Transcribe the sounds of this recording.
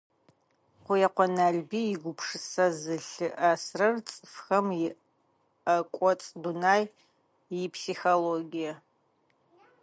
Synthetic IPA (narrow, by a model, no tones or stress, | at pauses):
qʷʊjɛqʷɔnaːɮbiːjɪɡʷʊpʰʂɨsɐzɨɬɨʔasrɐrt͡sʼɨfxɐmjɪ | ɐkʷʼɔt͡sʼdunaːj | jɪpʰsixoloːɡijɐ